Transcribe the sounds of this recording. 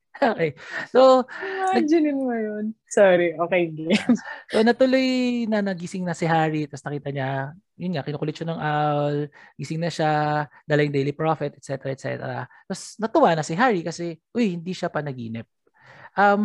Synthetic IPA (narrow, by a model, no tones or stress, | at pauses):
oːkɛjsoaɐnd͡ʒɐnɪmŋɐjonsoːɾiʔoːkejŋɡlɛsonɐt̪ʊlo̞jnɐnɐɡɪsɪŋnɐsɪɦaːɹit̪ɐsnɐkiːt̪ɐɲa | jʊnŋɐkɪnuːkʊlɪt̪ʃɐnɐŋʔalɡɪsɪŋnɐʃad̪ɐlɐjɪŋd̪ejlipɹofɛt̪ʔɛt̪sɛt̪ɛɾɐɛt̪̚sɛ̰t̪ɛ̰ɾɐ̰ | t̪ɐsnɐt̪ʊwanɐsɪɦaːɹikɐsɛʔojhɪnd̪iʃapɐnɐɡiːnɪp̚ | ʔɐm